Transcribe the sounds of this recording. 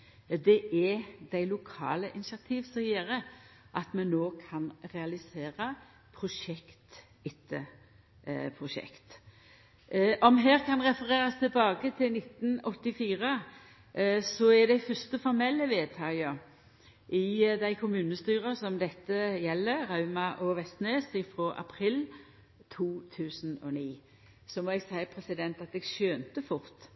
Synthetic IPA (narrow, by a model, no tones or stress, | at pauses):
d̪ɛʔɛd̪̥æɪlʊkʰɑ̰ːləʔɪnɪsɑt̪ʰiːʋsɔjeːɾə | ʔɑt̪mɛnːoːkʰɑnɾɛɑlɪseːɾɑ | pʰʁʊʃɛkt̪ | ɪt̪ʰːə | pʰʁʊʃɛ̰kt̪ | ʔɔmɦeːʁkʰɑnʁɛfəɾeːɾɑst̪ʰɪlbɑːɡət̪ʰɪlnɪt̪ːn̩ɔt̪ːɪfiːɾə | sɔɛd̪æɪfœʁst̪əfɔɾmɛlːəʋeːd̪̚t̪ʰɑːɡə | ʔɪd̪æɪkʰʊmʉːnəst̪yːʁəsɔmd̪ɛt̪ːəjɛlːəʁɑʉmɑʔɔʋɛst̪neːsɪfɾɔʔɑ̰pʰɾɪl | t̪ʰuːt̪ʰʉːsnɔ̰niː | sɔmɔɛɡsæɪpʰʁɛsɪd̪ɛnt̪ɑt̪̚d̪ɛːɡʃøːnt̪əfʊʁt̪